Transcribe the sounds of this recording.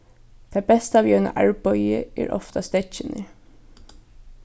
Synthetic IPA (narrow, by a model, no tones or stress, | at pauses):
d̪̥eːbɛst̪əɑːʋjœːnə̰ʔæɹbɔʏəʔæ̰ːɹʔɔ̰ft̪ɑst̪ɛçɪnʔə